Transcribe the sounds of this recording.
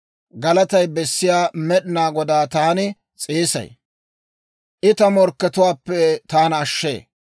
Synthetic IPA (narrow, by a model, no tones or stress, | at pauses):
ɡɐlɐt̪ɐjbɛsːɪjaːmɛɗɪnaːɡɔd̪aːt̪aːnɪ | t͡sʼeːsɐ̰j | ʔɪt̪ɐmɔɾkːɛt̪ʊwaːpːɛt̪aːnɐʃːḛː